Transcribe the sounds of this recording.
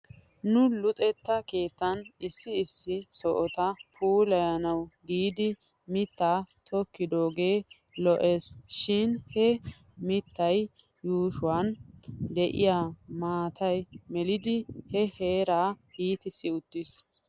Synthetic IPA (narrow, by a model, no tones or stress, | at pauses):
nʊlʊt̪ʼɛt̪ːɐke̞ːt̪ːɐnɪsːɪːsːɪsɔʔɔt̪ɐpʰuːlɐjɐnɐwɡiːd̪ɪ | mɪt̪ːaːt̪ʰɔkːɪd̪o̞ːɡe̞ː | lɔʔe̞ːsʃɪnhɛ | mɪt̪ːɐj | juːʃʊwɐnd̪ɛʔɪ̰jaːmaːt̪ʰɐjmɛlɪd̪ɪhɛheːɾaːhiːt̪ɪsːɪʊt̪ːɪs